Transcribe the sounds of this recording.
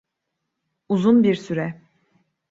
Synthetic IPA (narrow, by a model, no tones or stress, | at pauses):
uzunbiɾsyɾɛ